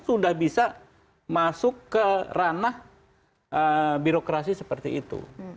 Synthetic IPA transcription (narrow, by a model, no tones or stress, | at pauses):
sudahbisa | masʊkːəranah | ʔəbiɾokɾasisəpərt̪iit̪ṵ